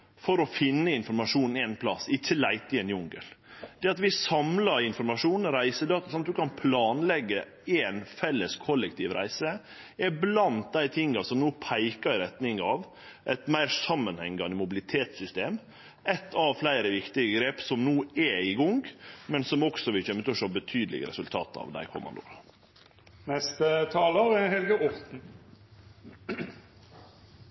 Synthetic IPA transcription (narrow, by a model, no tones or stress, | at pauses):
fɔɾɔfɪnːəɪnfɔɾmɑʂuːnɛnpʰlɑsɪçːəlæɪt̪ɪɛnjʊŋɡə̰ld̪ɛːɑt̪ʋɪsɑmlɑɪnfɔɾmɑʂuːnɾæɪsəd̪ɑːt̪ɑsɑnt̪d̪ʉkʰɑnpʰlɑːnlɛɡːə | ɛːnfɛlːəskʰɔlːɛk̚t̪ʰiːʋɾæ̰ɪsə | ɛblɑnt̪̚d̪æɪt̪ʰɪŋːɑsɔmnoːpʰæɪkɑɾɪɾɛt̪nɪŋɑʋ | ʔɛt̪mæɪɾsɑmːənhɛŋɡɑnəmʊbɪlɪt̪ʰeːt̪sʏst̪eːm | ɛt̪ʰːɑʋflæɪɾəʋɪkt̪ɪɡəɡɾeːpsɔmnuːɛɪɡʊŋɡmɛnsɔmɔksɔʋɪlçœmːət̪ʰɛɔʂoːbət̪ʰyːd̪əlɪ̰ɡə̰ɾɛ̰sʉlt̪ʰɑ̰ːt̪ɑ̰ːʋd̪æ̰ɪkʰɔ̰mʔɑ̰nd̪ʊ̰ɾ | nɛst̪ət̪ʰɑːləɾɛhɛlɡəʔɔɾt̪n̩